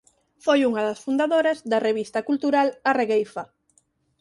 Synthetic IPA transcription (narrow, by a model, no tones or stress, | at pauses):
fojuŋɐðɐsfund̪aðoɾɐzðɐreβist̪ɐkult̪uɾalareɣejfa